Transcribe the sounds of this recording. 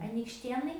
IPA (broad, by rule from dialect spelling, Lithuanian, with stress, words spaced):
ɐnʲiːkʃʲˈtʲeːnɐɪ